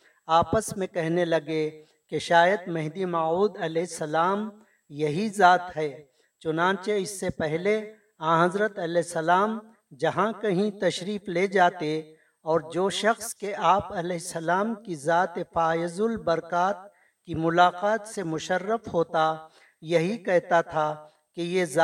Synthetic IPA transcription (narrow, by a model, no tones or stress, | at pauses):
aːpəsmẽkɛɦnelɐɡe | keʃaːjəd̪mɛɦd̪imaːuːd̪ɐlɛːɦɪsːɐlaːm | jɐɦizaːt̪ɦɛː | t͡ʃʊnãːt͡ʃeɪsːepɛɦle | ãːɦɐzɾət̪ɐlɛɪsːɐlaːm | d͡ʒɐɦãkɐɦĩt̪ɐʃɾiːfled͡ʒaːt̪e | ɔːɾd͡ʒoːʃɐxskeʔaːpɐlɛɦɪsːɐlaːmkizaːt̪efaːjəzʊlbɐɾkaːt̪̚ | kimʊlaːqaːt̪semʊʃərːəfɦoːt̪a | jɐɦikɛɦt̪at̪ʰa | kejez